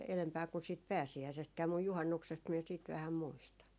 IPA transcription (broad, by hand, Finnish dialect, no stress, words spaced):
elempæː kun siːt pæːsiæisestkæː muj juhɑnːuksest miɛ siːt ʋæhæm muistɑn